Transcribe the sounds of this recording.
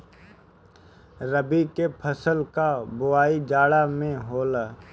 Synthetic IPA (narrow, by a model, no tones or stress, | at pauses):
ɾəbikepʰəsəlkabʊaːid͡ʒaːɽamẽɦoːlaː